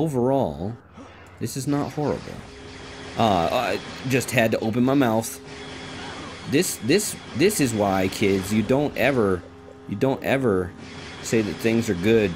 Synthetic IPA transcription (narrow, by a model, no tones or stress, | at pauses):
oʊvə˞ɔ̰lˠ | ðɪsɨznət̚hɔɹɨ̰bl̩ˠ | ʔʌʌd͡ʒʌst̚hɨd̚tɨʔoʊp̬ɨ̃nmaɪmaʊθ | ðɪsðɪs | ðɪsɨzwaɪkʰɪdzjɨdõʊ̃ntɛvə˞ | jɨdõʊ̃ntɛvə˞ | seɪðɨt̪̚θɪ̃ŋzə˞ɡʊd̥̚